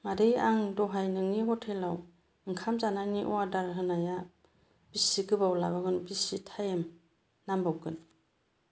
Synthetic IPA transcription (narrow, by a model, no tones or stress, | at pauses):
maɾijaŋdɔɦajnɯŋniɡɔtʰelaw | ɯŋkʰamzananiʔɔadaɾɦɯnaja | b̥isiɡɯbawlaβaɡɯnbisitʰajem | nambawɡɯn